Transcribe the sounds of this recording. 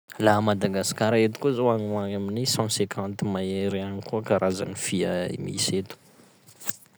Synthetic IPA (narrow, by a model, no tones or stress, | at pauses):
laɦmad̪aɡasi̥kaɾaet̪u̥kuzoaŋuaŋaminisɑ̃sekʰãnt̪imaeɾeanikuakaɾʔaza̰nifiəḭmḭset̪u̥